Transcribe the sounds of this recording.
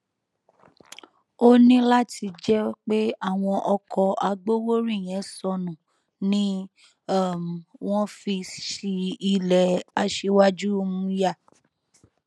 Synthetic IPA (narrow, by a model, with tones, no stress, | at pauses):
o˦nĩ˦la˦ti˧d͡ʒɛ˦k͡pe˦a˦˨w̃ɔ̃˧ʔɔ˧kʰɔ˧a˧ɡ͡bo˦wo˦ɾĩ˦˨j̃ɛ̃˨˦sɔ˧nũ˨ | nĩ˦ | a˦˨m˨w̃ɔ̃˦fi˧ʃi˧i˧lɛ˨a˧ʃe˧wa˦d͡ʒu˦o˧mũ˧˦ja˦˨